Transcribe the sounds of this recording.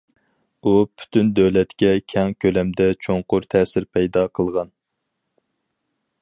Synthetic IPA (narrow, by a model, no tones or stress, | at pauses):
upʰy̥t̪ʰynd̪øwlɛt̪kʲɛkʲʰɛŋkʲʰølɛmd̪ɛt͡ʃʰoŋqʊɾt̪ʰɛːsɪɾpʰɛjd̪ɑqʰəlˠʁɑn